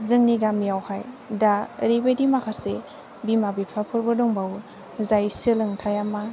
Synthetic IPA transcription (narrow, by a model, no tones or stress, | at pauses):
zɯŋniɡamjawhajdaɾibedimakʰase | bimabipʰapʰɯɾbɯdɔŋbaw | zajsɯlɯŋtʰajama